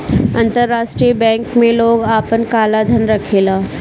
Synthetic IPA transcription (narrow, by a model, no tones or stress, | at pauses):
ɐ̃nt̪əɾːaːʃʈɾiəbɛ̃ːŋkmẽloːɡaːpənkaːlad̪ʱənɾɐkʰeːlaː